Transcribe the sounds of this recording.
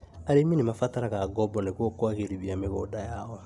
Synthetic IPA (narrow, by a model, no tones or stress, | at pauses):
aɾemĩnimafataɾakaɡɔbɔnekokɔakeɾibiameɡɔdajaɔ